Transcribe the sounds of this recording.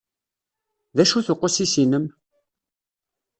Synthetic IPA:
ðæʃuθʊqːosisinəm

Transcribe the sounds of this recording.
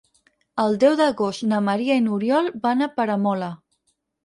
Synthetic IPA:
əlˠd̪ɛwðəɣost̪nəməɾiainuɾjɔlˠbanapəɾəmɔlə

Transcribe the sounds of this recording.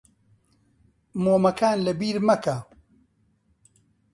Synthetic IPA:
moːmɐkʰaːnlɐbiːɾmɐka

